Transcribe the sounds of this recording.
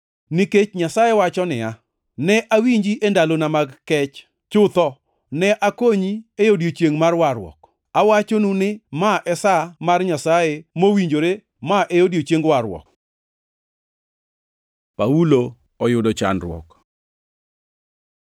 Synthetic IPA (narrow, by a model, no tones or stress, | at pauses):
nɪket͡ʃɲasajewat͡ʃɔnɪa | nɛʔawiɲd͡ʒiʔendalonamaɡkɛt͡ʃ | t͡ʃʊt̪ɔ | nɛʔakoɲiejodjot͡ʃjeŋmarwaɾwɔ̰k | awat͡ʃonunɪmaʔɛsamarɲasajemowiɲd͡ʒoɾe | maʔejodjot͡ʃeŋɡwaɾwɔ̰k | paulo | ɔjʊdɔt͡ʃa̰nrwɔ̰k